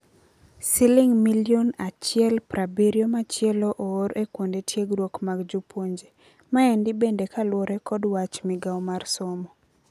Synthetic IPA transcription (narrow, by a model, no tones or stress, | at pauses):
sɪlɪŋmiljonat͡ʃɪɛlpɾabiɾjomat͡ʃjɛloʔooɾekwondetʰjeɡɾwokmaɡd͡ʒupʰoɲd͡ʒe | maɛndɪbendekalwɔɾɛkɔdwat͡ʃmɪɡawmarsɔmɔ